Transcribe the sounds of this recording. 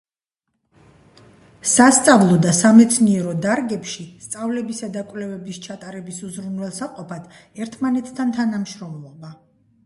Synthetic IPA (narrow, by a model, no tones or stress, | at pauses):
sast̪sʼavlˠɔd̪asamɛt̪sʰniɛɾɔd̪aɾɡɛpʃist̪sʼavlɛbisad̪akʼvlɛvɛbist͡ʃʰat̪ʼaɾɛbisuzɾunwɛlˠsaqʼɔpʰad̪̥ɛɾt̪ʰmanɛt̪ʰt̪ʰːant̪ʰanamʃɾɔmlˠɔba